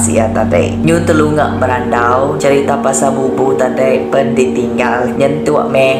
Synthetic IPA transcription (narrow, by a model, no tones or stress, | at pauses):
sḭjat̪adə̰jɲut̪əluŋa̰ʔməɾandawd͡ʒaɾit̪apasabubut̪adəjbəndit̪iŋɡalɲənt̪iwa̰ʔmɛ